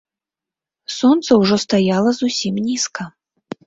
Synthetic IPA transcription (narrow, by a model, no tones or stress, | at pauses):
sɔnt̪sɐwʐɔst̪ajalˠɐzusʲimnʲiskɐ